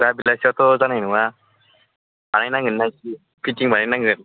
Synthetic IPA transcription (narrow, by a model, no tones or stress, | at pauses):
dabilasiat̪ɔzanajnɯŋa | banajnaŋɡɯnːaki | pʰitiŋbanajnaŋɡɯn